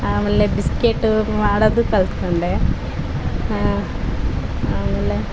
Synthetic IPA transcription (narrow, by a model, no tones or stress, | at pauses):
aːmɐlːebiskeːʈːɨʋaːɽɐðɨkɐlt̪koɳɖe | amɐlːe